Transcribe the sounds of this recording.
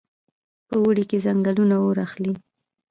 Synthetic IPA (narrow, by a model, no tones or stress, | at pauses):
pəwəɽikezaŋɡalunaoɾaxli